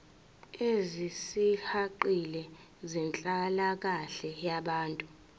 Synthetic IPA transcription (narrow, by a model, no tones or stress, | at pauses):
ezisihaǃilɛ | zɛnt͡ɬʼalak̬aɬɛjaɓaːntʼu